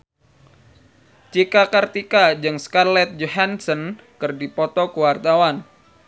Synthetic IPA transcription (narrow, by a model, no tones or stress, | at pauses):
t͡ʃikakart̪ikad͡ʒɨŋskarlɛt̪̚d͡ʒoɦansən | kɨrdipɔt̪ɔkuwart̪awan